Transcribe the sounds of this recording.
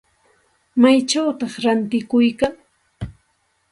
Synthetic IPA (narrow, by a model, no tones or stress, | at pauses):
majt͡ʃawt̪ɑχɾant̪ɪkʊjkaŋ